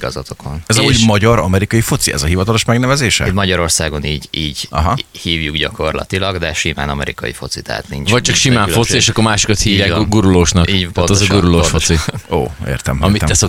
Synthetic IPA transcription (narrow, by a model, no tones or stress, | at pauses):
ɡɒ̰zɒt̪okʰonɛzɒmuːɟmɒɟɒɾɒmɛɾikɒjifo̞t̪siɛ̰zɒɦivɒt̪ɒlo̞ʃmɛɡnɛvɛzeːʃɛ̰t̪mɒɟɒɾo̞rsaːɡo̞niːɟiːɟɒɦɒhiːvjuɡɟɒko̞rlɒ̰t̪ilɒɡd̪ɛʃima̰ːnɒmɛɾḭkɒjḭfo̞t̪sit̪a̰ːt̪nint͡ʃvɒc̚ːt͡ʃɒkʃimaːnffo̞tsieːʃɒkːoɾmaːʃi̥kɒt̪hiːvjaːɡuɾuloːʃnɒkːɟ̪t̪ɛzɡuɾuloːʃfosio̰ːḛːrt̪ɛmɒ̰mit̪ɛɛso